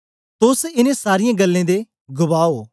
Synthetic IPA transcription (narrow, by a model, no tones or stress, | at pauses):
t̪ʊsɪnẽsaːɾɪjãɡəlːẽd̪e | ɡʊbaːoː